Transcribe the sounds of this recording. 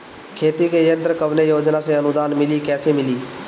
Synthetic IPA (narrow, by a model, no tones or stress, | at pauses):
kʰeːt̪ikejə̃nt̪ɾəkəʋnejoːd͡ʒnaseɐnʊd̪aːnmɪlikɛːsemɪliː